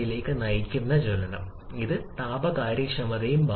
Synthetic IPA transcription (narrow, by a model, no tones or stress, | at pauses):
jile̞ːkːɨnɐjikʲːunːɐt͡ɕolɐnɐm | iðɨt̪aːbɐkaːɾjɐkʂɐmɐðɐjumba